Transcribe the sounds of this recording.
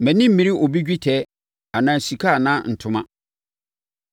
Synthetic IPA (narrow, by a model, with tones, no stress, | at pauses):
mæ̃˨nĩ˦m̩˦mĩ˨ɾi˦ʔo˨bi˦d͡ʑᶣi˦tʰɛ˨˦ | a˨nãː˨si˨kʰa˦˨nãː˦n̩˨tʰʊ̃˦mã˦